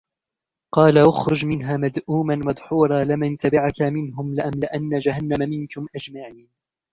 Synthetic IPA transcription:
qɑːlaʔʊxɾʊd͡ʒmɪnɦaːmad̪ʔuːmanmad̪ˤħuːɾˤɑːlɪmant̪abaʕakamɪnɦʊmlɪʔamlɪʔanːad͡ʒahanːamamɪnkʊmʔad͡ʒmaʕiːn

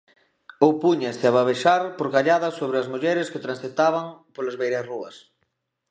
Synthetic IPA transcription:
owpuɲast̪ɪaβaβ̞eʃaɾpoɾɣaʎaðɐsoβɾɪɐzmuʎɛɾɪsket̪ɾãnsθet̪aβɐŋpolazβejɾɐsruɐs

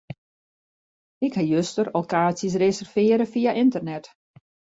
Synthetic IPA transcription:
ɪkhajøstərokaːsjəs̬resərfɪːɾəfijaʔɪntərnɛt

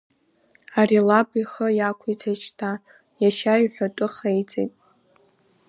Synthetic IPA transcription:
arilapʼiχəjakʷʰit͡sʰat͡ʃʰtʰa | jaʃajħʷᶣatʼɨχejt͡sʼḛjtʼ

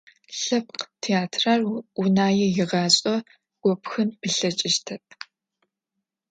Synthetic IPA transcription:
ɬɐp̚qtʰeaːtʰrarunaːjɛjɪʁɑːɕʼɔ | ɡ̥ʷɔpxɨnpʰɨɬɐt͡ʃʼɪʃtʰɐp̚ʰ

